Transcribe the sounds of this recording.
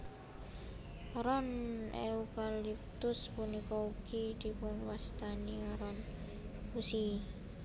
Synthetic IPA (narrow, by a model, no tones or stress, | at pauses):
ɾɔneukalip̚t̪ʊspunikɔuɡ̥id̪̥i̤pʊnwast̪aniɾɔn | usi